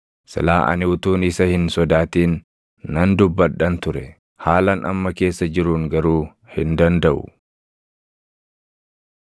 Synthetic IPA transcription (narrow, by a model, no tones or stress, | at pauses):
sɐ̰laːʔɐ̰nɪʊt̪uːnɪsɐhɪnsɔd̪aːt̪iːnː | ɐnd̪ʊbːɐᶑɐnt̪ʊɾɛ | haːlɐnʔɐ̰mːɐke̞ːsːɐd͡ʒɪɾuːŋɡɐɾuː | hɪnd̪ɐnd̪ɐʔʊ̰